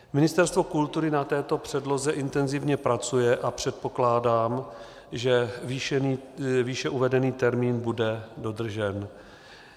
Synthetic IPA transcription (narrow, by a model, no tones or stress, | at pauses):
mɪnɪst̪ɛɾst̪vo̞kult̪uɾɪnat̪ɛːt̪o̞pr̥ɛdlo̞zɛʔɪnt̪ɛnzɪvɲɛpɾat͡sujɛʔapr̝̥ɛt̪̚po̞klaːdaːm | ʒɛvinːviːʃɛʔuvɛdɛniːt̪ɛɾmiːnbudɛdo̞d̪r̩ʒɛn